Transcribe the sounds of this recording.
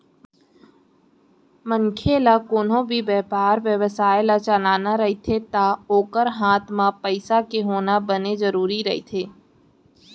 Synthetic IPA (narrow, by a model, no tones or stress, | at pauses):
mə̃ŋkʰeːlakoːnõbʱibɛːpaːɾʋjəʋəsaːɪlat͡ʃəlaːnaɾɐɦit̪ʰet̪aoːkəɾɦaːt̪ʰmãpəɪsakeɦoːnabənezɐɾuːɾiɾɐɦḭt̪ʰeː